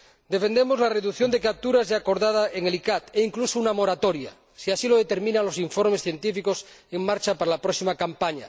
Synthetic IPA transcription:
d̪e̞fend̪emozlareðukθjond̪ek̬ap̚t̪uɾaezʝaːko̞ɾðað̞aʔeŋelikat̪eiŋklusounamoɾat̪oɾja̰ | siasilo̞ð̞et̪e̞ɾmĩnaŋlo̞siɱfoɾmesθje̞nt̪ifikoseŋmaɾt͡ʃapaɾalapɾoksimakampaɲa̰

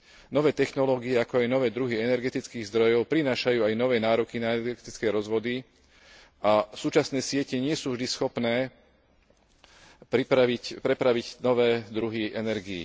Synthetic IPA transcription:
nɔʋɛːt̪ɛxnɔlɔːɡiɛakɔajnɔʋɛːd̪ɾuɦiɛnɛɾɡɛt̪it͡skiːɣzd̪ɾɔjɔʊpɾinaːʃajuːajnɔʋɛːnaːɾɔkinaɛnɛɾɡɛɾɡɛt̪it͡skɛːɾɔzʋɔd̪i | ʔasuːt͡ʃasnɛːsɪɛcɛɲɪɛsuːvʒd̪isxɔpnɛː | pɾipɾaʋicpɾɛpɾaʋiɟnɔʋɛːd̪ɾuɦiʔɛnɛɾɡiḭ

